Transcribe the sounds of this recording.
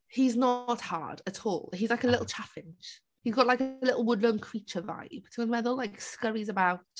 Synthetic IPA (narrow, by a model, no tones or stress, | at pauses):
hiznəthɑ̰ɹd̥ətʰɔ̰ːlˠhizlaɪkəlɪʔl̩ˠt͡ʃʰafɪ̃nt͡ʃ | hizɡɒʔlaɪkəlɪʔl̩ˠwʊdˡlə̃nkʰɹ̥iˑt͡ʃəva̰ɪptʰə̃mɛðəlaɪkskʌɹizəbaʊt